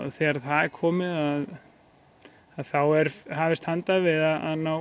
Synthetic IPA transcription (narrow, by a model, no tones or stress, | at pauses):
θɛaɾθaðɛɾkʰɔːmɪðað | aðθawɛɾɦaːvɪst̪hant̪avɪðaðaðna